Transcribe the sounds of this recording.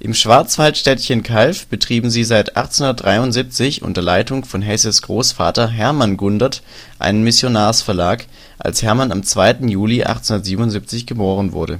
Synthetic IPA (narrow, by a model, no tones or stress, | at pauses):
ʔɪmʃv̥aɐt͡sv̥altʃtɛtçənkʰalfb̥ətʁ̥iːbm̩ziːzaɪta̰χtt͡sehʊndɐt̚d̥ʁaɪʊntz̥ip̚t͡sɪçʔʊ̰ntɐlaɪtʊŋfɔnɦɛsəsɡ̥ʁoːsfa̰ːtɐɦɛɐmanɡʊndɐt | ʔa̰ɪnənmɪsjonaːsfɛɐlaːk | ʔa̰lshɛɐmanamt͡sv̥aɪtn̩juːliʔa̰χt͡shunɐtz̥iːbm̩nʊnzip̚t͡sɪçɡ̥əboːʁ̞ənvʊ̰ɐɾə̰